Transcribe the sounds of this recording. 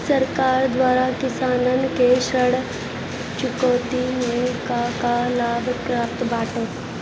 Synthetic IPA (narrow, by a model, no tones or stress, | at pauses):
səɾkaɾd̪ʋaːɾakisaːnənkeɕəɽ | t͡ʃikoːt̪inekakalaːbʱkɾaːft̪baːʈo